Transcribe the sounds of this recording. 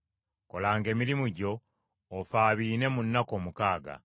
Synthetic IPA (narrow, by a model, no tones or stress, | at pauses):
ko̞laːŋɡe̞ːmiɾimuɟo̞ː | faːβiːne̞munːako̞ːmukaːɡa̰